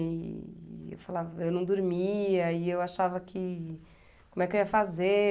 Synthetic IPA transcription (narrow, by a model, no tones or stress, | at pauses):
ḛwfalavɐewnɐ̃w̃d̪uɾmiɐiewaʃavɐkʰɪ | kkõmũɛkewiɐfaze